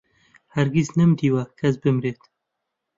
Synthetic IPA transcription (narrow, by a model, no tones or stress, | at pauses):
hɐɾɡiznɨmd̪iːwɐkʰɐs̬bɨmɾeːt̪